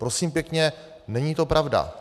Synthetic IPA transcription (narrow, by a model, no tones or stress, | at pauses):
pɾo̞siːmpjɛkɲɛ | nɛɲiːt̪o̞pɾavda̰